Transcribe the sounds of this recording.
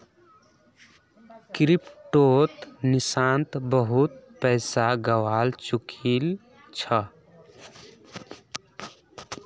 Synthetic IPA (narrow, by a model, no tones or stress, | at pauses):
kɾipʈot̪nisant̪bəɦut̪̚pɛɪsaɡəwalt͡ʃukʰil | t͡ʃʰə